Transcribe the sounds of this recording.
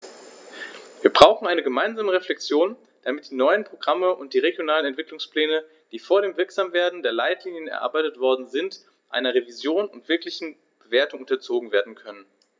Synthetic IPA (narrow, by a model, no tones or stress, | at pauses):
viːɐbʁaʊxŋ̩aɪnəɡəmaɪnzaːməʁeflɛkt͡sjoːn | d̥amɪt̚d̥iːnɔʏənpʁ̥oɡʁaməʔʊnt̚d̥iːʁeɡjonaːlənɛntv̥ɪklʊŋspl̥ɛːnə | d̥iːfoːɐɾeːmvɪɐkz̥aːmveːɐdn̩deːɐlaɪtliːnjənɛ̰ɐʔa̰ɐbaɪtətv̥ɔɐdn̩zɪnt | ʔa̰ɪnɐʁevizjoːnʊntv̥ɪɐklɪçn̩ | b̥əveːɐtʊŋʊntɐt͡soːɡŋ̩veːɐdn̩kʰœnən